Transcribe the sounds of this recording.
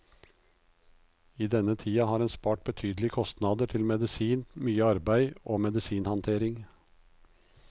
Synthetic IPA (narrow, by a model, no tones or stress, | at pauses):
iːd̪ɛnət̪ʰiːɑhɑːɾeːnspɑːʈ̚bət̪ʰyːd̪lɪkʰɔst̪nɑd̪əʈʰɪlmɛd̪ɪsiːnmyːəɑɾbæɪoːmɛd̪ɪsiːnhɑnt̪ʰeːɾɪŋ